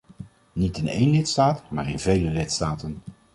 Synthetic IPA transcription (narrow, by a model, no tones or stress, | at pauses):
nitɪnḛjnlɪtstaːtmaːɹɪ̰nvejləlɪtstaːtən